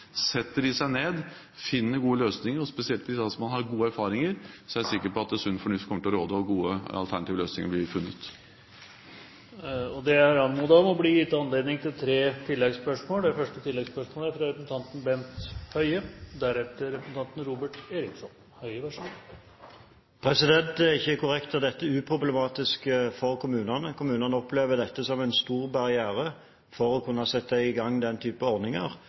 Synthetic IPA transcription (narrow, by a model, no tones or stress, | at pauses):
sɛt̪ːəɾɪsæɪneːd̪ | fɪnːəɾɡuːəløːsnɪŋəɾɔspɛsɪɛlt̪ʰɪsd̪ɑsɔmɑnɦɑɾɡuːəæɾfɑːɾɪŋəɾsɔæsɪkːəɾpɔɑt̪̚d̪ɛsʉnːfɔɳʉft̪kʰɔmːəʈ̪ʰɪlɔɾoːd̪əɔɡuːəɑ̰lt̪ʰæɳɑt̪iːʋəløːsnɪŋəɾblɪɾfʉnːət̪ | ɔd̪ɛæɾɑnmuːd̪ɑmɔbliːjɪt̪ːɑnleːd̪nɪŋt̪ʰɪlt̪ʰɾeːt̪ʰɪlːɛɡspœʂmoːlæfœʂʈət̪ʰɪlːɛɡspœʂmoːləæɾfɾɑɾɛpɾsn̩t̪ʰɑnt̪n̩bɛnt̪hœʏəd̪æɾɛt̪əɾɾɛpɾsn̩t̪ɑnt̪n̩ɾuːbəʈeːɾɪksɔn | hœʏəʋæʂuːn | pʰɾɛsɪd̪ɛnt̪æʁɪçːəkʰʊɾɛkt̪əd̪ɛt̪ːəʉːpʰɾʊblɛmɑːt̪ɪskəfɔʁkʰʊmʉːnɑnəkʰʊmʉːnɑnəɔpːleːʋəd̪ɛt̪ːəsɔmɛnst̪uːʁbɑʁɪæːɾə | fɔɾɔkʰʉnːɑsɛt̪ːəɛɪɡɑŋːd̪ɛnt̪ʰyːpɔʁd̪ɪŋə̰ʁ